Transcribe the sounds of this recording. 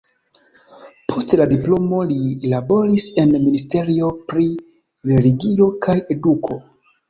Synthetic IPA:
pʰo̞stladiplo̞mo̞lilabo̞ɾise̞nministe̞ɾio̞pɾi | ɾe̞liɡio̞kaje̞dukʰo̞

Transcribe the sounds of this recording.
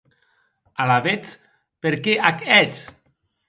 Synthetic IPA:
alaβet͡s | peɾkeʔakɛt͡s

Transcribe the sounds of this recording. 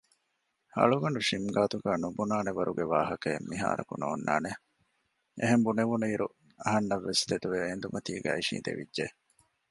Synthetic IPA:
hɐ̰ɭuɡɐɳɖuʃimɡaːt̪uɡæːnubunaːneʋɐɾʔuɡeʋaːɦɐkɐemːiɦa̰ːɾɐ̰kṵno̰ːnːa̰ːne | ʔeɦembuneʋunuiɾu | ɐɦɐnːɐʋːest̪ed̪uʋeend̪umɐt̪iːɡæ̰ːiʃḭːnt̪ḛʋḭdʒe

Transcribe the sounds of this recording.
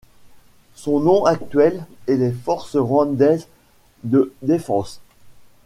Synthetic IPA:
sɔ̃nɔ̃ʔakt̪ɥɛlɛlefɔʁsʁwɑ̃d̪ɛz | d̪əd̪efɑ̃s

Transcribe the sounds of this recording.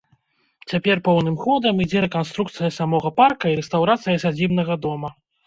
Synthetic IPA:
t͡sʲapʲɛrpɔwnɨmxɔd̪ɐmid͡zʲɛɾɛkanst̪ɾukt̪sɨjɐsamɔɣɐparkɐiɾɛst̪awɾat̪sɨjɐsad͡zʲibnɐɣɐd̪ɔmɐ

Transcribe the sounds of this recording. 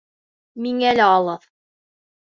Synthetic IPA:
miŋælɘɑlˠɤð

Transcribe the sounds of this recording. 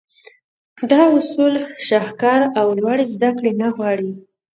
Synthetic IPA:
d̪ɑʊsulʃɑhkɑɾawlwaɽezd̪akɽenaɣwɑɽi

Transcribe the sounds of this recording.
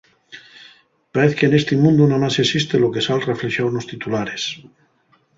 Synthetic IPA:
paɾeθkeːnest̪imũnd̪unamasesist̪eloke̞salrefleʃjawnost̪it̪ulaɾes

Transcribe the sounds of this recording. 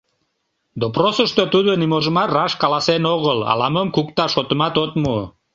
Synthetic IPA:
d̪oprosəʃt̪ot̪ud̪onimoʒə̆mɑrɑʃkɑlɑsenoɣəlɑ̰lɑməmkuk̚t̪ɑʃot̪əmɑt̪ot̪mu

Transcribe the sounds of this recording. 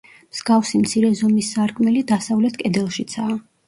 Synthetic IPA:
mz̥ɡafsimt̪sʰiɾɛzɔmisːaɾkʰʼmɛlid̪asavlɛt̪ʰkʼɛd̪ɛlˠʃit̪sʰaː

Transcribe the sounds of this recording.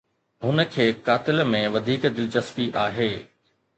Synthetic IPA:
ɦʊnə̆kʰeːkaːt̪ɪlmẽʋɐd̪ʱiːkd̪ɪlt͡ɕɐspiʔaːɦeː

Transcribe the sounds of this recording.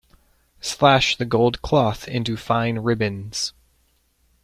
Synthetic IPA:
slæʃðɨɡoʊlˠd̚kʰl̥ɔθɪ̰̃ntʉfãɪ̃nɹɪbɨ̃nz̥

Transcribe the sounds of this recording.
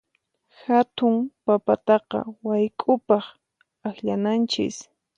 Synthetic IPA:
xat̪ʊŋpapat̪ɑqɑ̰wajkʼʊpɑχ | axʎanant͡ʃɪ̰s

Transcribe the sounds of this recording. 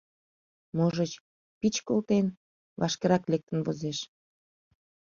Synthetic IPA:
moʒət͡ɕ | pit͡ɕkolt̪en | βɑ̰ʃkeɾɑklek̚t̪ənβozeʃ

